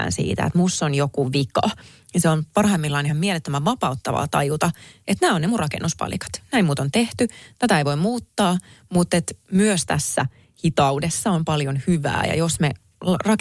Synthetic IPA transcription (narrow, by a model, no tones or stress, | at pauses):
nsḭːt̪æ̰ḛt̪musːonjokuʋikɑ̰ | iseonpɑrhɑemːilːɑinihɑmmielet̪ːømæʋʋɑpɑut̪ːɑʋɑ̰ːt̪ɑjut̪ɑet̪næːonnemurrɑkḛnːuspɑ̰lḭkɑ̥t̪næimuːt̪ont̪eht̪yt̪æt̪æeiʋoimmuːt̪ːɑːmut̪ːet̪myøst̪æ̰sːæ | hit̪ɑudesːɑompɑljonhyʋæ̰ːjɑ̰josme | rɑk